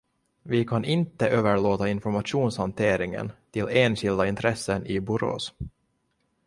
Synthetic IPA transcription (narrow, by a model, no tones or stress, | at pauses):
vɪkʰanɪnt̪əʔøːvəɭoːt̪aɪnfɔɾmaʂuːnshant̪ʰeːɾɪŋə̰nt̪ʰɪlːeːnɕɪld̪aɪnt̪ʰɾɛsːənɪbʊɾo̰ːs